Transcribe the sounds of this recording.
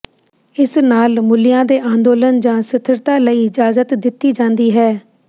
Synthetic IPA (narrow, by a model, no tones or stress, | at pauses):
ɪsnaːlmʊlɪjãːd̪eːʔãːnd̪oːlənd͡ʒãːsɪt̪ʰəɾt̪ãːləiːɪd͡ʒaːzət̪d̪ɪt̪ːiːd͡ʒãːnd̪iːɦɛː